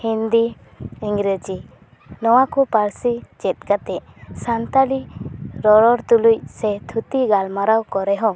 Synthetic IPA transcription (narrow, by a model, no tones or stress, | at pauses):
hind̪i | iŋɡɾəd͡ʒi | nɔwakɔpaɾsid͡ʒɛt̪̚kat̪ɛʔ | sant̪aliɾɔɾɔɾt̪uluc̚sɛt̪ʰut̪iɡalmaɾawkɔɾɛɦɔ̃